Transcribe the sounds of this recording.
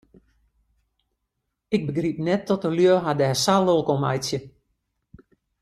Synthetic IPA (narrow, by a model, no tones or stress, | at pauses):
ɪk̚bəɡrip̚nɛtːɔtəljøːɦadɛɛsalˠolˠkɔma̰jsjə